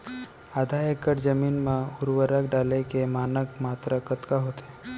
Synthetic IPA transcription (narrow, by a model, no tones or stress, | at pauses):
aːd̪ʱajekəʈd͡ʒəmiːnmãʊɾʋəɾək̚ɖaːlekemaːnəkmat̪ɾəkət̪kaɦot̪e